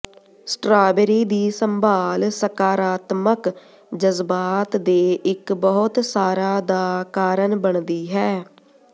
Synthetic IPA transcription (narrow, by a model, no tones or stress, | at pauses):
sʈɾaːbəɾiːd̪iːsəmbʱaːlsəkaːɾaːt̪mək | d͡ʒəzbaːt̪d̪eːɪkbəɦʊt̪saːɾaːd̪aːkaːɾənbəɳd̪iːɦɛː